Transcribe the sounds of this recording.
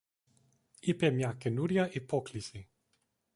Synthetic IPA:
ipemjakenuɾjaʔipɔklisi

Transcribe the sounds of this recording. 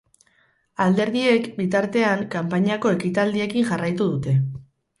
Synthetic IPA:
ald̪e̞ɾðie̞kbit̪aɾt̪e̞aŋkampaɲako̞e̞kit̪ald̪ie̞kiŋʝarajt̪uðut̪e̞

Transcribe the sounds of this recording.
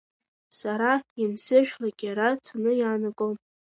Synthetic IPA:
saɾainsɨʒᶣlaɡ̥ʲaɾatʰanɨjaːnakʼom

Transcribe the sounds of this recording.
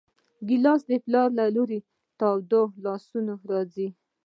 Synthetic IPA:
ɡilɑsd̪əplɑɾlaloɾe | t̪ɑwd̪olɑsunoɾɑd͡zi

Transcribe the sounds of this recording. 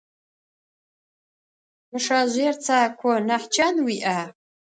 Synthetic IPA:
mɨʂaʑʷert͡sʰaːkʷʰɔnaħt͡ʃʰanwiʔa

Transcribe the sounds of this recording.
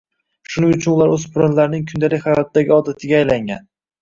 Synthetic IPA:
ʃʊnɪŋʊt͡ʃʰʊnʊlˠaɾɵzpʰʊɾanlaɾnɪŋkʰʊnd̪alɪkʲχajɒt̪̚d̪aɡʲɪɒd̪at̪ʰɪɡʲaːjlaŋɡʲa̰n

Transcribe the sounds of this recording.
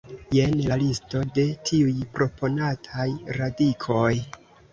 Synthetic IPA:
je̞nlalisto̞de̞tʰiujpɾo̞pʰo̞natʰajɾadikʰo̞j

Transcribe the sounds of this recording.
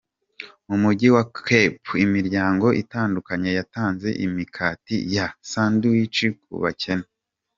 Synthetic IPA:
mumuɟiwakepimiɾɟaːŋɡo̞ʔitaːndukaɲe̞jataːnze̞̰ʔimikʰaːtḭjasaːnduwit͡ʃikṵβa̰cʰe̞na

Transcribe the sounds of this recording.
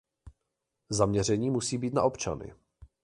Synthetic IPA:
zamɲɛr̝ɛɲiːmusiːbiːt̪na̰ʔo̞pt͡ʃa̰nɪ̰

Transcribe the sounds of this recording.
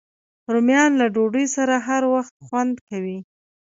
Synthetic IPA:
ɾomjɑnlaɖoɖəjsaɾaɦaɾwaxt̪̚xwand̪kawi

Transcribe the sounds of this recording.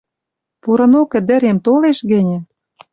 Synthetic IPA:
puɾɤ̆nokə̆d̪ɘ̆ɾemt̪oleʃɣɘ̆nʲɘ̆

